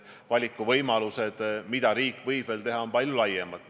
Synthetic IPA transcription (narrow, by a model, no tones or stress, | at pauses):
vɑlʲikːˑuvɤjmɑluse̞d̪̥mid̪̥ɑɾiːkːˑvɤjbve̞lt̪e̞ɦɑo̞npɑlʲjulɑjemɑd̪̥